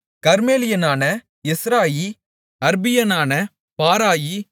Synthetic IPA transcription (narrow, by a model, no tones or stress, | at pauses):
kɐɾmeːlɪjɐnaːnɐ | ɪsɾaːji | ɐɾbɪjɐnaːnɐ | paːɾaːji